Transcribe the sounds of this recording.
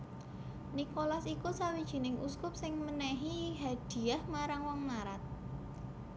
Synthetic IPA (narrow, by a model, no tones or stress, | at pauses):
nikolasikusawid̥ʒ̥i̤nɪŋʔuskʊp̚sɪŋmənɛɦiɦad̥i̤ahmaɾaŋwɔŋlaɾat̪̚